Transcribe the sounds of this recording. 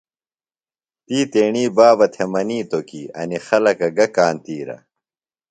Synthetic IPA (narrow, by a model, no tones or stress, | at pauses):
t̪iːt̪eːɳiːbaːbɐt̪ʰemɐniːt̪okiɐ̰nixɐlɐkɐɡɐkaːnt̪iːɾɐ̰